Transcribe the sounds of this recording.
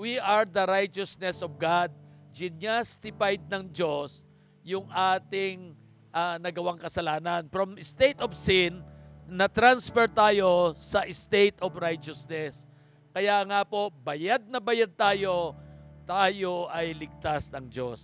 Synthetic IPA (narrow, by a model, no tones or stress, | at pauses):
wiʔɐɹd̪ɐɾajt͡ʃosnɛsɔvɡad̪̚d͡ʒɪnjast̪ɪpajd̪̚nɐŋd͡ʒo̞s | jʊŋʔaːt̪ɪŋ | ʔanɐɡɐwaŋkɐsɐlaːnɐnfɾɐmɪst̪ejt̪ovsɪnːɐt̪ɾansfɛɹt̪aːjo̞sɐʔɪst̪ejt̪ovɾajt͡ʃosnɛs | kɐjaŋapo̞bɐjad̪̚nɐbɐjad̪̚t̪aːjo̞t̪aːjo̞ʔɐjlɪɡ̚t̪asnɐŋd͡ʒos